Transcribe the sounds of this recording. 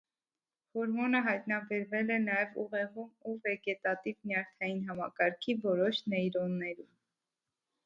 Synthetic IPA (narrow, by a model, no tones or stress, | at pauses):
hɔɾmɔnəɦɑjt̪nɑbɛɾvɛlɛnɑjɛvṵʁɛʁumuvɛɡɛt̪ɑt̪ivnjɑɾt̪ʰɑjinɦɑmɑkɑɾkʰivɔɾɔʃnɛjɾɔnːɛɾum